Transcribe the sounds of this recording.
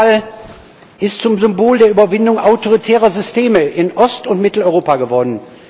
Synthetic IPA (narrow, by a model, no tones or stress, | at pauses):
al | ʔɪstt͡sʊmzʏmboːldeːɐʔyːbɐvɪndʊŋʔaʊtoʁ̞itʰɛːʁɐzʏstʰeːməʔɪnʔɔstʊntmɪtl̩ɔʏʁoːpaɡəvɔɐdn̩